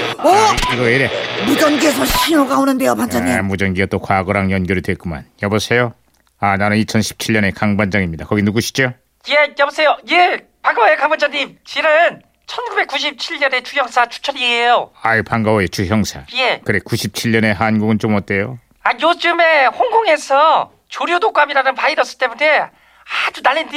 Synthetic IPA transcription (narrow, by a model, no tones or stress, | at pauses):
ʌiɡʌeɾemud͡ʑʌnɡiesʰʌɕʰiɾoɡaonɯndeopand͡ʑaɲimud͡ʑʌnɡiɡat͈okwaɡʌɾaŋjʌnɡjʌɾidwe̞k͈uma̰njʌbosʰe̞jo | ananɯnit͡ɕʰʌnɕʰi̥p̚t͡ɕʰiʎːʌne̞kaŋband͡ʑaŋimɲidakʌɡinuɡuɕʰi̥t͡ɕo | jejʌbosʰe̞joje | paŋɡawojkaŋbʌnd͡ʑaɲimt͡ɕinɯn | t͡ɕʰʌnɡube̞k͈ːuɕ̬ʰip̚t͡ɕʰiʎːʌne̞t͡ɕʰujʌŋsʰat͡ɕʰu̥t͡ɕʰʌɾiejoaipaŋɡawoet͡ɕʰujʌŋsʰaje̞kɯɾe̞kuɕʰip̚t͡ɕʰiʎːʌne̞ɦanɡuɡɯnt͡ɕomʌt͈e̞jo | ajod͡ʑɯme̞ɸoŋɡoŋe̞sʰʌ | t͡ɕoɾjodok͈amiɾanɯnpaiɾʌs͈ɯɭt͈e̞mune̞ | ad͡ʑunaɭːendi